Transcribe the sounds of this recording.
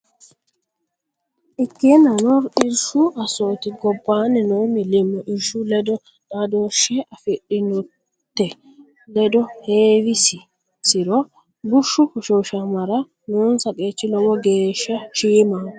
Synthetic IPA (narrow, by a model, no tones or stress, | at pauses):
ʔɪkːenɐnɔɾɪɾʃʊʔɐsoːt̪ɪɡɔbːaːnɛnomɪlɪmːɔʔɪɾʃʊlɛd̪ɔ | nad̪oʃːɛʔɐfɪɗɪnɔ | t̪ːɛ | lɛd̪ɔheːwɪsɪ | sɪɾɔ | ɡʊʃːʊkɔʃoːʃɐmɐɾɐ | nuːnsɐkʼeːt͡ʃːɪlɔwɔɡeːʃːɐʃiːma